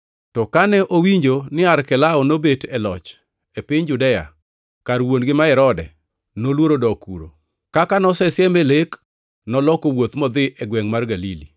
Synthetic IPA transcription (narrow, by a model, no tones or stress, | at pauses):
tɔkanɛʔowiɲd͡ʒonɪaɾkɛlaɔnobetɛlɔ̰t͡ʃ | epɪɲd͡ʒʊdɛa̰ | kaɾwonɡɪmaɛɾɔdɛ̰ | nolwoɾodɔkṵɾo̰ | kakanɔsɛsjɛmelek | nɔlɔkowot̪mɔd̪ɪʔɛɡwɛŋmarɡalilḭ